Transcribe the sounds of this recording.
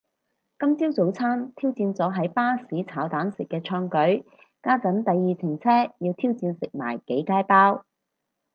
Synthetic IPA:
kɐ˥mt͡siː˥wt͡so˨˥wt͡sʰaː˥nt̪ʰiː˥wt͡siː˧nt͡sɔː˨˥ɦɐ˨˥jpaː˥siː˨˥t͡sʰaː˨˥wt̪aː˨˥nsɪ˨kːɛː˧t͡ʃʰœː˧ŋkɵ˨˥ɥ | kaː˥kɐ˨˥nt̪ɐ˨jːiː˨t͡sʰɪ˨˩ŋt͡sʰɛː˥jiː˧wt̪ʰiː˥wt͡siː˧nsɪ˨k̚ma̰ː˨˩jke˨˥jkaː˥jpaː˥w

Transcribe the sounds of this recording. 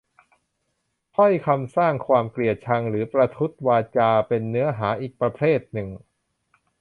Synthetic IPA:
pʰɔ˥˩jkʰa˧msaː˥˩ŋkʰwaː˧mkli˨˩ət̪̚t͡ɕʰa˧ŋɾɯː˩˦pɾa˧t̪ʰu˦˥t̪̚waː˧t͡ɕaː˧pe˧nːɯ˦˥ɐɦaː˩˦ʔiː˨˩k̚pɾa˧pʰɾeː˥˩t̪̚nɯ˨˩ŋ

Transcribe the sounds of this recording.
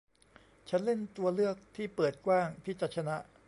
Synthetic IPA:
t͡ɕʰa˦˥nle˥˩nt̪u˧ɐlɯ˥˩ək̚t̪ʰiː˥˩pɤː˨˩t̪̚kwaː˥˩ŋp̪ʰiː˥˩t͡ɕa˦˥t̪̚t͡ɕʰa˧na˦˥ʔ

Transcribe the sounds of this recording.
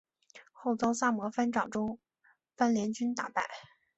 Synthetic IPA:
xo˥˩ʊt͡sɑ˥ʊsa˥˩mwɔ˧˥fa˥nʈ͡ʂɑ˨˩ʊʈ͡ʂʊ˥ŋ | fa˥nljɛ˧˥nt͡ɕy˥nt̪a̰˨˩pa˥˩ɪ

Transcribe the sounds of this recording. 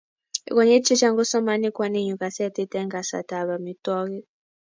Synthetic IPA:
ḭ˨k̬ɔ˨ɲɛ˦t͡ʃʰi˦t͡ʃa˦ŋɡɔ˦sɔ˦ma˦ni˦kwa˨ne˦˨ɲu˨ka˨sɛ˦ti˦tɛ˦ŋɡa˨sa̰˨ta˨βa˨mi˨tɔ˦k̬i˦

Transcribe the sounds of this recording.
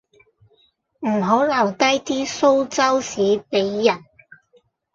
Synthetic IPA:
m̩˨˩ɦo˨˥lɐ˨˩wt̪ɐ˥jt̪iː˥so˥wt͡sɐ˥wsiː˨˥pe˨˧˥jːɐ˨˩n

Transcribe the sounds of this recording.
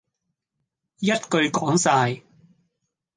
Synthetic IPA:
jɐ˥t̚kɵ˧ɥkɔː˨˥ŋsaː˧j

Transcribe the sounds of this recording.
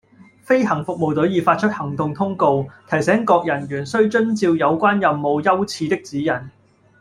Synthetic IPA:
fe˥jɦɐ˨˩ŋfʊ˨k̚mo˨wt̪ɵ˨˥ɥjiː˨˧faː˧t̚t͡ʃʰɵ˥t̚hɐ˨˩ŋt̪ʊ˨˧ŋt̪ʰʊ˥ŋko˧wt̪ʰɐ˨˩jsɛː˨˥ŋkɔː˧k̚jɐ˨˩nɥyː˨˩nsɵ˥ɥt͡ʃɵ˥nt͡siː˧wjɐ˨˧wkʷaː˥njɐ˨mːo˨˧wjɐ˥wt͡sʰiː˧t̪ɪ˥k̚t͡siː˨˥jɐ˨˩n

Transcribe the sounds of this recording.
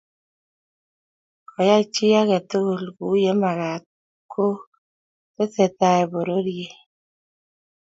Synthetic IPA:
kʰɔ˨ja˦t͡ʃɪ˦a˦kɛ˨t̪o˦ɡo˨lɡu˨˦je˦ma˨ɾa˨t̪̚ | kʰo˦ | te˦se˨t̪a˦ɛ˨bo˨ɾo˦ɾje˨

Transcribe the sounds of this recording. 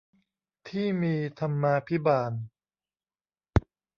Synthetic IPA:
t̪ʰiː˥˩miː˧t̪ʰa˧mːaː˧pʰi˦˥baː˧˩n

